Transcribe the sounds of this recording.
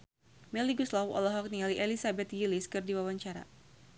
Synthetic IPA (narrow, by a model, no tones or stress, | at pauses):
mɛliɡuslawɔ̰lɔɦɔk̚niŋaliʔelisabɛt̪̚ɡiliskɨrdiwawaɲt͡ʃaɾa̰